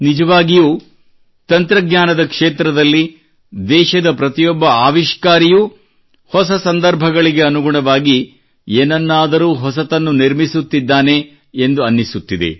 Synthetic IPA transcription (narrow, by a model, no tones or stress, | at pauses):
nid͡ʒɐʋaːɡijuː | t̪ɐnt̪ɾɐɡɲaːnɐd̪ɐkʂeːt̪ɾɐd̪ɐlːi | d̪ɛːʃɐd̪ɐpɾɐt̪ijɔbːɐaːʋiʃkaːɾiju | hɔsɐsɐnd̪ɐɾbʱɐɡɐɭiɡeɐnuɡuɳɐʋaːɡi | eːnɐnːaːd̪ɐɾuːɦɔsɐt̪ɐnːuniɾmisut̪ːid̪ːaːne̞ː | nd̪uɐnːisut̪ːid̪ḛ